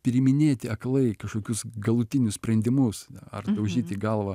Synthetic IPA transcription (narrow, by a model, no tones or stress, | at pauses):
pʲɾʲɪmʲɪnʲeːt̪ʲɪɐklˠɐɪkɐʃkoːkʲʊsɡɐlˠʊt̪ʲɪnʲʊsʲpʲɾʲɛnʲd̪ʲɪmʊsɐ̰rd̪ɐʊʒʲiːt̪ʲiɡɐlˠʋɐ